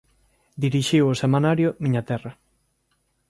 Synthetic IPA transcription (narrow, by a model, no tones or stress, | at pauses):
d̪iɾiʃiwosemanaɾjomiɲat̪ɛrɐ